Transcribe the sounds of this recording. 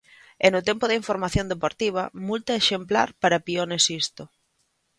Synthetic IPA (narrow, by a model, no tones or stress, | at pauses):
ɛnʊt̪ɛmpʊðɐiɱfoɾmaθjond̪epoɾt̪iβ̞ɐmult̪ɐeʃempla̰ɾpaɾɐpionesist̪ʊ